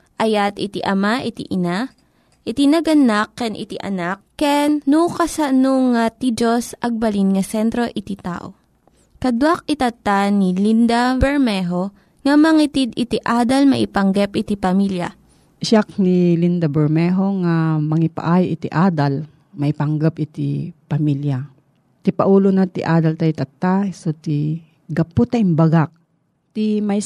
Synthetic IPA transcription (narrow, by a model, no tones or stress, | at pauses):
ʔɐjat̪ɪt̪iʔɐmaʔɪt̪ḭʔɪna | ʔɪt̪inɐɡɐnakːɛnʔɪ̰t̪iʔɐ̰nakːɛnːukɐsɐnoŋat̪id͡ʒosʔɐɡ̚bɐlinŋɐsɛnt̪ɾo̞ʔɪt̪it̪a̰ːʔo̰ | kɐd̪wak̚ɪt̪ɐt̪ːanilind̪abɛɹmɛɦo | ŋɐmɐŋit̪id̪ɪt̪iʔaːd̪ɐlmɐ̰ʔɪpɐŋɡɛpʔɪt̪ipɐmiljɐ̰ | ʃak̚nilind̪abɛɹmɛɦoŋamɐŋipa̰ʔaːjoʔɪt̪iʔaːd̪al | mɐʔɪpɐŋɡapʔɪt̪ḭpɐmilja | t̪ɪpɐʔuːlonat̪iʔaːd̪ɐlt̪ait̪ɐt̪ːasot̪i | ɡɐpːot̪aʔimbɐɡak̚ | t̪imaj